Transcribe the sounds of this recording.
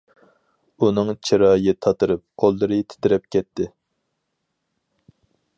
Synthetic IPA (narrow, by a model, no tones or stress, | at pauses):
unɨŋt͡ʃʰiɾɑːjɨt̪ʰɑt̪ɨɾɨp̚qʰolˠd̪ɨɾɨt̪ʰɪ̥t̪ɪɾɛp̚kʲɛt̪ʰːɪ